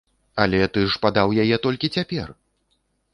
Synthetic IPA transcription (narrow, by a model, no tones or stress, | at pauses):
alʲɛt̪ɨʂpad̪awjajɛt̪ɔlʲkʲit͡sʲapʲɛ̰r